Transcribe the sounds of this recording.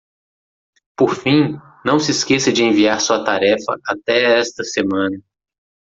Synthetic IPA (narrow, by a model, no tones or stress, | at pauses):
poɾfĩ | nɐ̃w̃sɪskesɐd͡ʒɪẽviaɾsuɐt̪aɾɛfɐ̰ʔat̪ɛɛst̪ɐsemɐ̃nɐ